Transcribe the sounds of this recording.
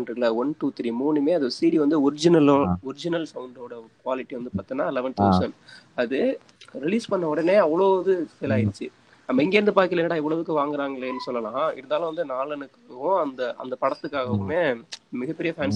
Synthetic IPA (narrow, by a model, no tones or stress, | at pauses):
nɖɯlɐɔnʈuːt̪ɪɾimuːnɯmeːɐðosiːɽiʋɐnd̪ɯɔɾɪd͡ʒɪnɐlɔɾɪd͡ʒɪnɐlsɐʋʊɳɖoːɽɐkʋaːlɪʈːiʋɐnd̪ɯpaːɾt̪ɯnːãːlɛʋɐnt̪ɐːsɐnɐðɯ | ɾɪliːspɐɳːɐɔɽɐneːɐʋːɐɭoːðɯsɪlaːɪɾɯt͡ʃːɯ | ɐmːɐɪŋɡeːɾɯnd̪ɯpaːɾkɪlɐɛnːɐɽaːɛʋːɐɭɐʋɯkːɯʋaːŋɡɯɾaːŋɡɐɭeɛnːɯsɔlːɐlãːɪ̰ɾɯnd̪aːlʊ̃ʋɐnd̪ɯnaːlɐnɯkːʊ̃ɐnd̪ɐʔɐ̰nd̪ɐpɐɽɐt̪ːɯkːaːɣɐɔkːɯmeːmɪɣɐpːɛɾɪjɐfaːns